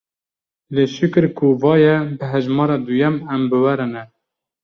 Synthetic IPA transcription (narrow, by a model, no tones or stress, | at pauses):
leːʃɨkɨɾkʰuvɑːjɛbɨɦæʒmɑːɾɑd̪ujɛmɛmbɨwæɾɨnɛ